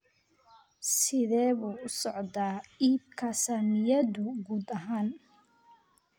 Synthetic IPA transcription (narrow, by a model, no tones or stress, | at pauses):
sɪðɛːβuːʊsɔʕðaːiːb̚kʰɐsɐmɪjɐðʊɡuːd̪ɐɦaːn